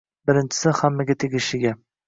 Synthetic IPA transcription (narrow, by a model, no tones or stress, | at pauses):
bɪɾɪnt͡ʃʰɪ̥sɪhamːaɡʲat̪ʰeɡʲɪʃɪɡʲa